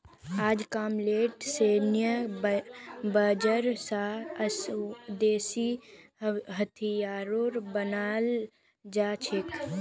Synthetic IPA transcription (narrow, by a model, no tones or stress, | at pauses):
aːd͡ʒkaːmleːʈseːnjə | bəd͡ʒəɾsaəsd̪eːsi | ɦət̪ʰijaːɾoːɾbənaːl | d͡ʒaːt͡ʃʰɪk